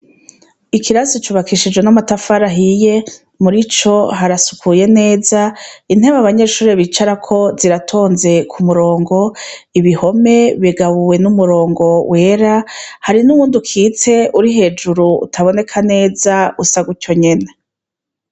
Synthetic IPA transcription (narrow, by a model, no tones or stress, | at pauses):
ikiɾasit͡ʃuβakʰiʃid͡ʒwenamatafaɾaɦije̞ | muɾit͡ʃo̞ɦaɾasu̥kʰuje̞ne̞ːzain̥heβaβaɲe̞ʃuːɾeβit͡ʃaɾakʰo̞ziɾatʰo̞ːnze̞kʰumuɾo̞ːŋɡo̞ | iβiho̞me̞βiɡaβuwe̞numuɾo̞ːŋɡo̞wʔe̞ːɾahaɾinuwuːndukʰiːt͡se̞ʔuɾiɦe̞ːd͡ʒuɾuṵtʰaβo̞ne̞kʰane̞ːzausaɡuco̞ɲe̞ne